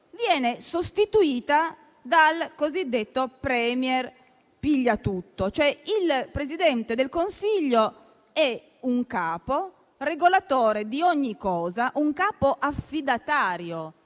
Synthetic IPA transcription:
vjɛːnesost̪it̪uiːt̪a | d̪alkozid̪ːet̪ːopɾɛːmjɛr | piʎːat̪ut̪ːot͡ʃoɛilpɾezid̪ɛnt̪ed̪elkonsiʎːo | ɛ | uŋkaːpo | reɡolat̪oːɾed̪ioɲːikːɔːzaʔuŋkaːpoʔafːid̪at̪aːɾjo

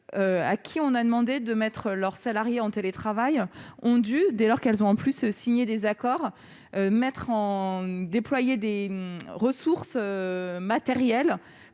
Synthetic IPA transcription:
øa̰kʲʰiɔ̃nad̪əmɑ̃d̪ed̪əmɛt̪χəlœʁsalaʁjeɑ̃t̪elet̪χavajɔ̃d̪yd̪ɛlɔʁkɛlzɔ̃ɑ̃plyssiɲed̪ezakɔʁ | ømɛt̪χɑ̃d̪eplwajed̪eʁəsuʁsømat̪eʁjɛl

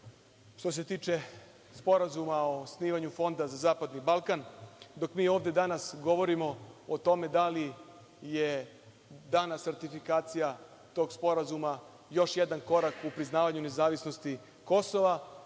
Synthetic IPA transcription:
ʃt̪o̞s̬et̪iːt͡ʃe̞ | spo̞ɾazumaosniːʋaɲufo̞nd̪azazaːpad̪nibalˠkand̪o̞kmiːo̞ːʋd̪e̞d̪anasɡo̞ʋo̞ɾimo̞ot̪o̞me̞d̪ali | je | d̪aːnaseɾt̪ifikaːt̪sija | t̪o̞ːɡspo̞ɾazuma | jo̞ʃjed̪anko̞ɾakupɾiznaːʋaɲune̞zaːʋisno̞st̪i | ko̞so̞ʋa

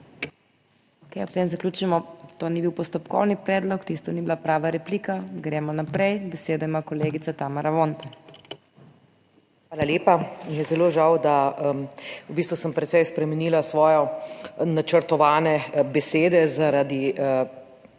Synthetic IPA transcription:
kajɔp̚t̪eːmzaklʲuːt͡ʃimɔt̪oːnibiwpɔst̪ɔpkɔ̰wnipɾɛːd̪lɔkt̪ist̪ɔnibilapɾaːʋaɾɛpliːkaɡɾɛːmɔnapɾɛjbɛseːd̪ɔimakɔleːɡit̪sat̪amaɾaʋont̪ɛ | xʋaːlaleːpamijɛzɛloːʒawd̪a | ubist̪ʋusəmpɾɛt̪sɛjspɾɛmɛniːlasʋɔːjɔnat͡ʃəɾt̪ɔʋaːnɛbɛseːd̪ɛzaɾad̪i

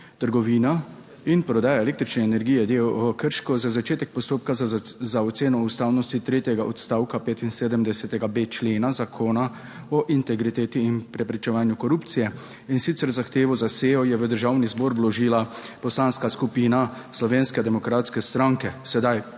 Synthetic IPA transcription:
t̪əɾɡɔʋiːna | inpɾɔd̪aːjaeleːkt̪ɾit͡ʃnɛːnɛɾɡijɛd̪ejwɔkəɾʃkɔzazat͡ʃeːt̪ɛk̚pɔst̪oːp̚kazaɔt̪seːnɔust̪aːwnɔst̪it̪ɾeːt̪jɛɡaʔɔt̪st̪aːwkapeːt̪inseːd̪əmd̪ɛsɛt̪ɛɡabeːt͡ʃleːnazakʰoːna | ɔʔint̪ɛɡɾit̪eːt̪iːnpɾɛpɾit͡ʃɛʋaːnjukɔɾupt̪sijɛ | insit̪sɛɾzaxt̪eːʋɔzaseːjɔjɛʋəd̪əɾʒaːwnizbɔːɾblɔʒiːlapɔslanskaskupiːna | slɔʋeːnskɛd̪ɛmɔkɾat̪skɛst̪ɾaŋkɛsɛd̪aj

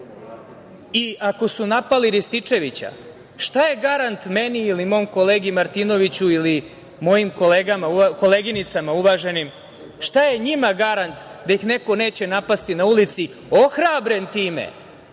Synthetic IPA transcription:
iako̞sunapaliɾist̪it͡ʂe̞ʋit͡ɕa̰ | ʃt̪aje̞ɡaɾant̪meniːlimo̞ːmko̞le̞ːɡimaɾt̪ino̞ʋit͡ɕuili | mo̞jimko̞le̞ːɡamauko̞leɡinit̪samauʋaːʒe̞nim | ʃt̪aje̞ɲimaɡaɾant̪d̪ajixne̞ko̞ne̞ːt͡ɕe̞napast̪inaulit̪si | o̞xɾabɾe̞nt̪iːmḛ

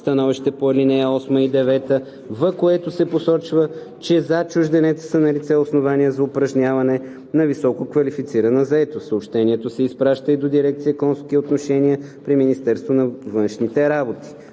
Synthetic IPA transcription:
st̪ɐnɔviʃt̪ɛpoɐlinɛjəɔsməid̪ɛvɛt̪ə | vɐkoɛt̪osɛposɔt͡ʃvə | t͡ʃɛzat͡ʃʊʒd̪ɛnɛt̪ə̥sənɐlit̪sɛosnovaniəzɐʊpɾɐʒnʲavɐnɛ | nɐvisɔkokvɐlifit̪siɾənəzɐɛt̪ost̪əopʃt̪ɛnʲiɛt̪osɛispɾaʃt̪əid̪od̪iɾɛk̚t̪sijəkɔnskiot̪noʃɛniəpɾiminist̪ɛɾst̪vonɐvənʃnit̪ɛɾabot̪i̥

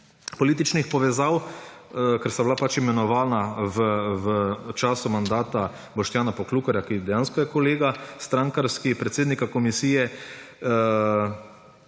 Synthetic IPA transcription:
pɔliːt̪it͡ʃnixpɔʋɛzaw | kɛɾsablapat͡ʃimɛnɔʋaːlnaʋəʋət͡ʃaːsumand̪aːt̪a | bɔʃt̪jaːnapɔkluːkɔɾjakid̪ɛjãːnskɔjɛkɔleːɡast̪ɾãŋkaɾskipɾɛt̪seːd̪nikakɔmisiːjɛ

